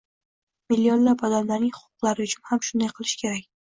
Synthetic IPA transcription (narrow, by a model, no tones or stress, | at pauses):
mɪlːiɒnlapɒd̪amlaɾnɪŋhʊ̥qːʊ̥qlˠaɾɪʊt͡ʃʰʊnhamʃʊnd̪ajqʰɨlˠɪʃkʲʰe̞ɾakʲ